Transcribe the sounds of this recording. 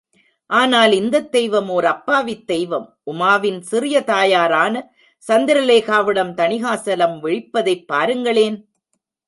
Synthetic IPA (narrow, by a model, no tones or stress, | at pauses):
ʔaːnaːlɪnd̪ɐt̪ːɛjʋɐmoːɾɐpːaːʋɪt̪ːɛjʋɐmʔʊmaːʋɪnsɪrɪjɐt̪aːjaːɾaːnɐ | sɐnd̪ɪɾɐleːɣaːʋɪɽɐmt̪ɐnɪɣaːsɐlɐmʋɪɻɪpːɐðɐɪpːaːɾɯŋɡɐɭeːn